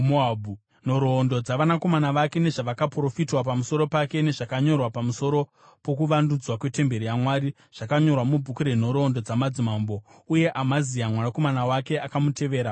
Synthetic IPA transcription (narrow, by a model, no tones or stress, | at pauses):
moabʱu | n̤o̞ɾo̞ːndo̞d͡zaʋanako̞manaʋake̞ne̞ʐaʋakapro̞fitwap̬amuso̞ɾo̞pake̞ne̞ʐakaɲo̞rwapamuso̞ɾo̞ | po̞kuʋandud͡zwakwe̞te̞mbe̞ɾijamwaːɾi | ʐ̥akaɲo̞rwamubʱukuɾe̞n̤o̞ɾoːndo̞d͡zamad͡zimambo̞ | uje̞ʔamazijamwanako̞manawake̞akamute̞ʋe̞ːɾa